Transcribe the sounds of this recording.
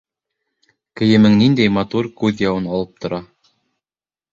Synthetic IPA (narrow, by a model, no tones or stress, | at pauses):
kɘ̆jɘ̆mɘŋnind̪æjmɑt̪uɾkʉðjɑwɤnɑlˠɤp̚t̪ʰŏɾɑ